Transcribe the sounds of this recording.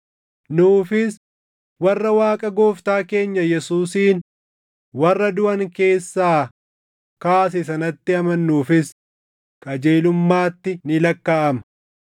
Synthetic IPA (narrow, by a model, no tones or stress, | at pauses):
nuːfɪs | wɐrːɐwaːkʼɐɡo̞ːft̪aːke̞ːɲːɐjɛsuːsiːn | wɐrːɐd̪ʊʔɐŋke̞ːsːaː | kaːs̬ɪsɐnɐt̪ːɪɐmɐnːuːfɪs | kʼɐd͡ʒeːlʊmːaːt̪ːɪnɪlɐkːaːʔɐmɐ̥